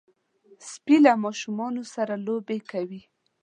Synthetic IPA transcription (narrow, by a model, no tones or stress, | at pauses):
spilamɑʃumɑnosaɾalobekawi